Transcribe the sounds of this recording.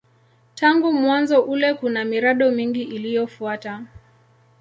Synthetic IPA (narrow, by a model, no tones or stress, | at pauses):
tʰaŋɡumwanzɔʔulɛkunamiɾaɗɔmiŋɡiʔilijɔfuata